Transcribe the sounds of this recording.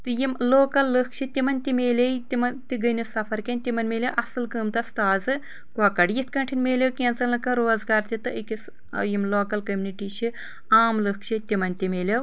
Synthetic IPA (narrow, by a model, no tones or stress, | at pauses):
t̪ɨjimloːkɐlːɨkt͡ʃʰit̪ʲimɐnʲt̪imeːlʲejt̪imɐnt̪iɡɨnisɐfʰɐɾkʲɐnʲt̪ʲimɐnmeːlʲewʔɐsɨlkɨːmt̪ɐst̪aːzɨ | kaːkɐɖjit̪kɐɳʈʰinʲmeːlʲewkʲeːnt͡sɐlɨkɨ̃ɾoːzɡaːɾt̪it̪ɨʔikʲis | jimloːkɐlkɐmʲniʈiʃi | aːmlɨkʃʰit̪ʲimɐnʲt̪ʲimeːlʲew